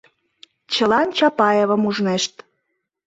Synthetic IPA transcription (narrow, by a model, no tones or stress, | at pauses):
t͡ɕəlɑnt͡ɕɑpɑjeβə̆muʒneʃt̪